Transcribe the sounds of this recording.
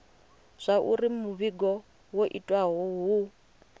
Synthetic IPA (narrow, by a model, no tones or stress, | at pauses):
z̥ʷaʔurimuβiɡɔ | woʔitʼwaɦɔɦu